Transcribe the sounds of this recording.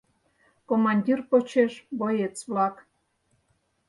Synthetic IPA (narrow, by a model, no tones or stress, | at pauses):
komɑnʲdʲirpot͡ɕeʃbojet͡sβlɑk